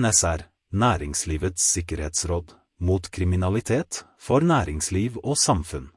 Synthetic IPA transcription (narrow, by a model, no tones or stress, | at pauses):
nɛsæɾ | næːɾɪŋsliːʋət̪sɪkəɾheːt̪sɾɔːd̪ | muːt̪kʰɾɪmɪnɑlɪt̪ʰeːt̪ | fɔɾnæːɾɪŋsliːʋoːsɑmfʉn